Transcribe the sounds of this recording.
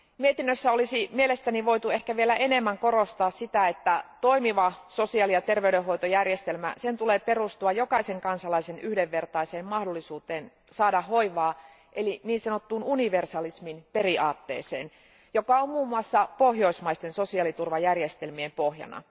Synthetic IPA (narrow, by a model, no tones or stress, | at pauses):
miet̪inːøsːæolisimielest̪æniʋo̞ijt̪uehkæʋielæʔenemːæŋko̞ɾost̪ɑːssit̪æet̪ːæt̪o̞imiʋɑsosiɑˑlijɑt̪erʋeydeɦojt̪ojærjest̪elmæ̰sent̪uleːperust̪uɑjokɑiseŋkɑnsɑlɑisenyhdeʋːe̞rt̪ɑiseːmmɑhdolːisuːt̪eːn | sɑːdɑːoiʋɑː | ʔeliniːnsɑnot̪ːuːnuniʋersɑlisminperiʔɑːt̪ːḛːseːn | jokɑommuːmːuɑsːɑpohjo̞ismɑist̪ensosiɑlit̪urʋɑjærjest̪elmiempohjɑ̰nɑ̰